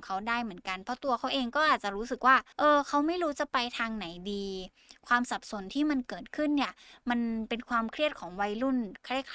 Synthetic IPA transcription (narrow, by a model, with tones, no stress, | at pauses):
ŋkʰa˦˥wdaː˥˩jmɯ˩˦ənka˧npʰɔ˧˥t̪u˧ɐkʰa˨˦˥wʔeː˧ŋkɔː˥ʔaː˨˩t̪̚t͡ɕa˨˩ɾuː˦˥sɯ˨˩k̚waː˥˩ʔɤː˧kʰa˦˥wma˥˩jɾuː˦˥t͡ɕa˨˩pa˧jt̪ʰaː˧ŋna˩˦jdiː˧ | kʰwaː˧msa˨˩p̚so˨˦nt̪ʰiː˥˩ma˧nkɤː˨˩t̪̚kʰɯ˥˩nːi˥˩ɐma˧npe˧nkʰwaː˧mkʰɾi˥˩ət̪̚kʰɔː˩˦ŋwa˧jlu˥˩nkʰɾkʰ